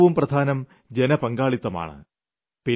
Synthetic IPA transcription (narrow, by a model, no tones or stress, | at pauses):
ʋumprɐd̪ʱaːnɐm | d͡ʑenɐpɐŋɡaːɭit̪ːɐma̰ːɳɨ̰ | pi